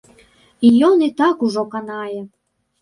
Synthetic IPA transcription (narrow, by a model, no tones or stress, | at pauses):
ijɔnit̪ɑkuʐɔkanɑjɛ